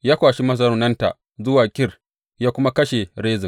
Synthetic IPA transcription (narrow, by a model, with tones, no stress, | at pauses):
jaː˦kʷaː˨ʃi˦mɐ˦s̬ɐ˦ɾʊ˦nɐ˦nta̰˨ʔ | zʊ˦waː˨kʲɪ˦r | jaː˦kʷʊ˦ma˦kɐ˦ʃe˨ɽeː˦zɪ˨